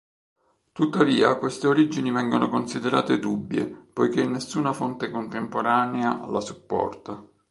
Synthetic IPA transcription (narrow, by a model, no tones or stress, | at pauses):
t̪ut̪ːaviːakwest̪eoɾid͡ʒinivɛŋɡonokonsid̪eɾa̰ːt̪ed̪ubːjḛpojk̟enːesːuːnafont̪ekont̪empoɾaːnealasupːɔ̰rt̪a